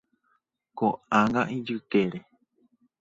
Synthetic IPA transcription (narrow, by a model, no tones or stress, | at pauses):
koãŋɡãʔid͡ʒɨt̪eɾe